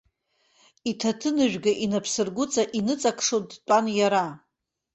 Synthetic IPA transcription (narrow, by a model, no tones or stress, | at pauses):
itʰatʰɨnɨʒᶣɡaʔinapʰsɨrɡʷʊt͡sʼaʔinɨt͡sʼakʰʂotʼtʷʼanjaɾa